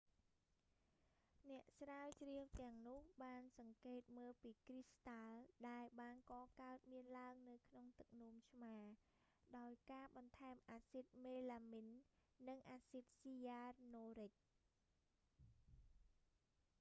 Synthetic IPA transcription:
nɛ̆əʔsraəwt͡ɕriəwt̪ɛ̆əŋnʊ̆əhɓaːnsɑŋkeːt̪̚məːlpiːkrist̪alɗaɛlɓaːnkɑːkaət̪̚miənlaəŋnɨwkʰnoŋt̪ɨk̚nŭəmt͡ɕʰmaː | ɗaɔjkaːɓɑnt̪ʰaɛmʔaːsit̪̚meːlaːminː | ɨŋʔaːsit̪̚sijaːrnoːɾɨc̚

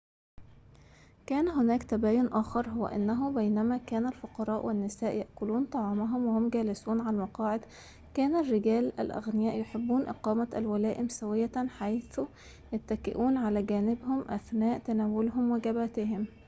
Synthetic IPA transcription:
kæːnɦʊnæːkt̪æbæːjʊnʔæːxɑɾˤɦowːæ̰ʔɪ̰nːæɦʊbæjnæmækæːnælfʊqɑɾˤɑːʔwʔɪnːɪsæːʔjaʔkʊluːnt̪ˤɑʕɑːmæɦʊmwehomɡæːlɪsuːnʕalmɑqɑːʕed̪ | kæːnærːɪɡæːlæ̰lʔæ̰ɣnɪjæːʔjoħebːuːnʔɪqɑːmæælwælæːʔɪmsæwɪjːæħajθu | jæt̪ːækɪʔuːnʕalæːɡæːnɪbhʊmʔæ̰θnæːʔt̪ænæːwʊlɦʊmwæɡæbæːt̪ɪɦɪm

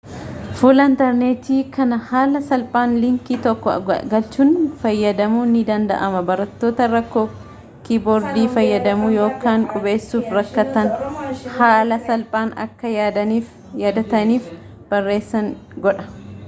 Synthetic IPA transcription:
fuːlɐɪnt̪ɐɾneːt̪iːkɐnɐhaːlɐsɐlpʼaːnlɪŋkiːt̪ɔkːɔɐ̰ɡɐlt͡ʃʊnfɐjːɐd̪ɐmuːnːɪd̪ɐnd̪ɐ̰ʔɐmɐbɐɾɐt̪ːo̞ːt̪ɐɾɐkːoː | kiboːɾd̪iːfɐjːɐd̪ɐmuːjo̞ːkaːŋkʼʊbe̞ːsːuːfɾɐkːɐt̪ɐnhaːlɐsɐlpʼaːnɐ̰kːɐjaːd̪ɐniːf | jaːd̪ɐt̪ɐniːf | b̥ɐrːe̞ːsːɐŋɡɔᶑɐ̥

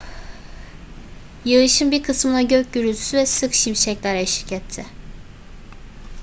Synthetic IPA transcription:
jɯɯʃɯnbiɾkʰɯsmɯnaɟøc̚ɟyɾylʲt̪ʰy̥syvɛsɯkʃimʃɛclʲæɾɛʃiɾicʰɛt̪ʰːɪ

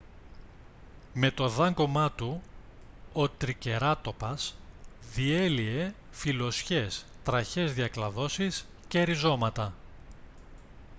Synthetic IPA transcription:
me̞t̪o̞ðɐŋɡo̞mɐt̪u | ot̪ɾice̞ɾɐt̪o̞pɐsðie̞lie̞ | filo̞sçe̞s | t̪ɾɐçe̞zðiɐklɐðo̞sis | ceɾizo̞mɐt̪ɐ

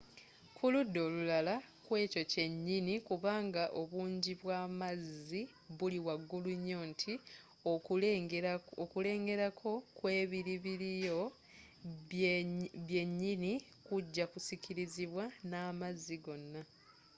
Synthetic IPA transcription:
kʰuludːo̞ːlulala | kwe̞ːco̞ce̞ɲːinikuβaːŋɡaʔo̞βuːɲɟiβwaːmazːi | βuliwaɡːuluɲːo̞ːntʰi | okule̞ːŋɡe̞ɾakʰo̞kwe̞ːβiɾiβiɾijo̞ | βje̞ɲːini | kuɟːakusiciɾiziβwanaːmazːiɡo̞nːa

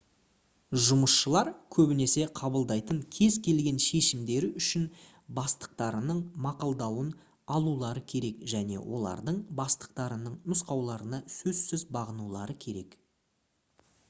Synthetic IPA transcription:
ʒʊməsʃəlˠɑɾkʲʰɵbɪne̞se̞qʰɑbəlˠd̪ɑjt̪əŋkʲʰe̞zkʲʰe̞lɡʲe̞nʃe̞ʃɪmd̪e̞ɾɪʏʃɪn | bɑst̪ə̥q̚t̪ɑɾənəɴmɑqɑlˠd̪ɑwən | ɑlˠulˠɑɾəkʲʰe̞ɾe̞kʒæne̞̰wʔo̞̰lˠɑ̰ɾd̪əɴbɑst̪ə̥q̚t̪ɑɾənəɴnʊsqɑwlˠɑɾənɑsɵzsɪzbɑʁənulˠɑɾəkʲʰe̞ɾe̞k

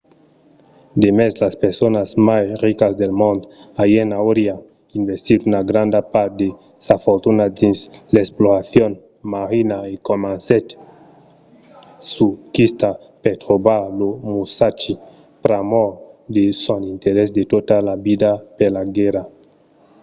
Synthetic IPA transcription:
d̪emeslaspeɾsonazmasrikazd̪elmõnd̪ajenawɾja | invest̪iɾunaɡɾand̪apaɾd̪e | safoɾt̪unad̪insleksploɾaθjon | maɾinaekomanset̪ | sukist̪a | peɾt̪ɾobaɾlomusat͡ʃi | pɾamoɾd̪esonint̪eɾesd̪et̪ot̪alabid̪apeɾlaɡeɾa

